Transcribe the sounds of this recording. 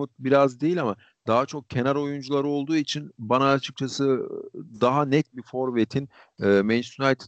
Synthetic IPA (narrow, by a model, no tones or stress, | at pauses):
ut̪̚biɾazd̪ejilʲama | d̪̥aɦat͡ʃʰo̞k̚cʰe̞næɾo̞jund͡ʒulˠaɾɯo̞lˠd̪uːit͡ʃʰinbanaːt͡ʃʰɯ̥k̚t͡ʃʰasɯd̪aɦanɛt̪̚bifo̞ɾvet̪ʰin | ɛːmɛnsunalt̪ʰ